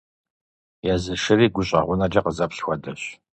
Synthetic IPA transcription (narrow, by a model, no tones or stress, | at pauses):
jɛzɨʂɨɾiːɡʷʊɕʼɐ̰ʁʷʊnɐd͡ʒɐqəzɐpɬxʷɔdɐɕ